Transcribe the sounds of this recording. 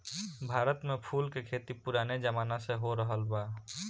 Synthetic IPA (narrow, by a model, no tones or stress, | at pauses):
bʱaːɾət̪mepʰulkekʰet̪ipuɾaned͡ʒəmaːnaseɦoɾəɦəlba